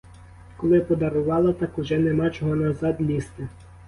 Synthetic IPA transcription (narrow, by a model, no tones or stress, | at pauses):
kɔlˠɪpɔd̪ɐɾʊʋɑlˠɐt̪ɑkʊʒɛnemɑt͡ʃɔɦɔnɐzɑd̪ʲlʲist̪ɪ